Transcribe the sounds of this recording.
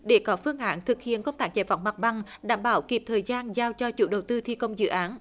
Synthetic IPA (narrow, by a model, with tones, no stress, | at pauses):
ɗe˧˩kɔ˨˦fɨ˧əŋʔa̰ː˧˦nt̪ʰɨ˨˩k̚hḭ˧˨ənkə˧wŋ͡mt̪aː˧˥k̚t͡ɕa̰˧˩jva̰˧˩wŋ͡mma˨˩k̚ɓa˨˩ŋɗa̰ː˧˩mɓaː˧˩wki˨˩p̚t̪ʰəː˨˩jzaː˧nzaː˧wt͡ɕɔ˧t͡ɕṵ˧˥ɗə˨˩wt̪ɨ˧t̪ʰi˧kə˧wŋ͡mzɨ̰˧˨ʔaː˨˦n